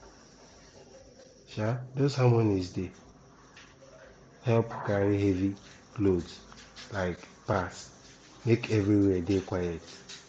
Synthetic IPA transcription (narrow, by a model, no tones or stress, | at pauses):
ʃadozhãmwɔ̃nizde | hɛlpkaɾiɦevi | klodzlaɪk | pas | mekevɾiwɛdekʷajɛt